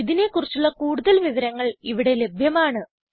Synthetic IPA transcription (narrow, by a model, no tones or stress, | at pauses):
iðine̞kːurit͡ɕːuɭːɐkuːɽuðɐlʋiʋɐɾɐŋːɐɭiʋiɽe̞le̞bʱjɐmaːɳɨ